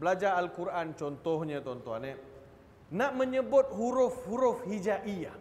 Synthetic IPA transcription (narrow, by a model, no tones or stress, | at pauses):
bəlad͡ʒaɾalkuɾʔant͡ʃɔnt̪ɔhɲãt̪ɔnt̪ɔɦanɛ | nãʔmə̃ɲəbʊt̪̚huɾʊfhuɾʊfhid͡ʒaʔia